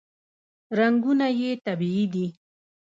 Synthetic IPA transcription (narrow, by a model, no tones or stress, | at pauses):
ɾaŋɡunajet̪abiid̪i